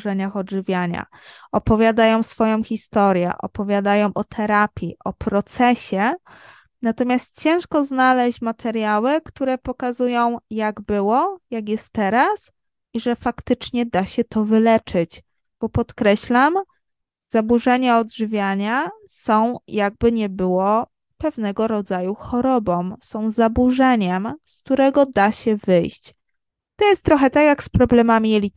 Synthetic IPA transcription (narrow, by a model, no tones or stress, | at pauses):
ʐɛɲaxɔd̪ʐɘvʲjaɲa̰ | ɔpɔvʲjad̪ajɔ̃w̃sfɔjɔ̃w̃xʲist̪ɔɾʲjɛ̰ʔɔ̰pɔvʲjad̪ajɔ̃w̃ʔɔt̪ʰɛɾapʲjiʔɔpɾɔt̪sɛɕɛ | nat̪ɔmʲast̪̚t͡ɕɛ̃w̃ʂkɔznalɛɕt͡ɕmat̪ʰɛɾʲjawɘkt̪uɾɛpɔkazujɔ̃w̃jaɡbɘwɔjaɡʲjɛst̪ːɛɾas | iʐɛfakt̪ɘt͡ʂɲɛd̪aɕɛt̪ɔvɘlɛt͡ʂɘd͡ʑ | b̥ɔpɔt̪kɾɛɕlam | z̥abuʐɛɲaɔd̪ʐɘvʲjaɲa | sɔ̃w̃jaɡ̚bɘɲɛbɘwɔ | pɛvnɛɡɔɾɔd̪zajuxɔɾɔbɔ̃msɔ̃w̃zabuʐɛɲɛmskt̪uɾɛɡɔd̪aɕɛvɘjɕt͡ɕ | t̪ɔjɛst̪ːɾɔxɛt̪akjakspɾɔblɛmamʲiɛlʲit̪